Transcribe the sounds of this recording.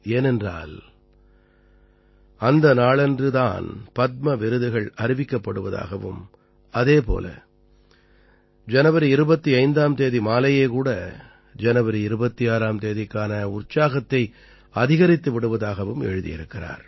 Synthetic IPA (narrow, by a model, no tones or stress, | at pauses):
eːnɛndra̰ːl | ɐnd̪ɐnaːɭɛndrɯt̪a̰ːnpɐt̪̚mɐʋɪɾɯðɯɣɐɭɐɾɪʋɪkːɐpːɐɽɯʋɐða̰ːɣɐʋɯ̰m | ɐðeːpo̰ːlɐ̰ | d͡ʒɐnɐʋɐɾiɪɾɯbɐt̪ːiɐɪnd̪aːmt̪eːðimaːlɐjeːkuːɽɐ | d͡ʒɐnɐʋɐɾiɪɾɯbɐt̪ːiaːɾaːmt̪eːðɪkːaːnɐʊrt͡ʃaːɣɐt̪ːɐɪ | ɐðɪɣɐɾɪt̪ːɯʋɪɽɯʋɐðaːɣɐʋɯmɛ̰ɻɯðɪ̰jɪ̰ɾɯkːɪra̰ːɾ